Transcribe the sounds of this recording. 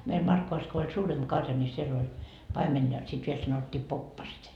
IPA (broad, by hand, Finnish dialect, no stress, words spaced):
meil mɑrkːoʋɑs ko olʲ suːremb̥ kɑrjɑ nʲi sielː olʲ pɑimen jɑ sit ʋiel sɑnotːiː popːɑset